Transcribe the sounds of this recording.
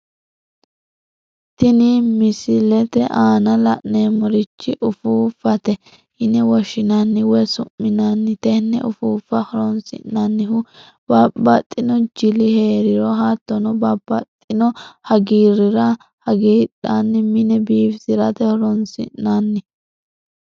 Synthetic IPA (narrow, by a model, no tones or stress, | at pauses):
t̪ɪnɪmɪsɪlɛt̪ɛʔaːnɐlɐʔneːmɔɾɪt͡ʃːɪʔʊfuːfɐt̪ɛ | hɪnɛwɔʃɪnɐnːɪwɔsʊmːɪnɐnːɪt̪ɛnːɛ̰ʔʊfuːfːɐhɔɾɔnsɪ̰nːɐnːɪhʊ | b̥ɐbɐt̪ʼːɪnɔd͡ʒɪlɪheːɾɪɾɔɦat̪ːɔnɔbɐb̥ɐt̪ʼːɪnɔhɐɡiːɾɪɾɐ | hɐɡiːᶑanːɪmɪnɛbiːfsɪɾɐt̪ɛhɔɾɔnsɪ̰nːanːɪ